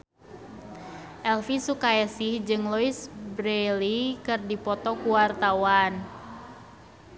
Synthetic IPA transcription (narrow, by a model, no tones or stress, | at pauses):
ʔɛlfisukajasɪhd͡ʒɨŋloisbɾelikɨrdipɔt̪ɔkuwart̪awan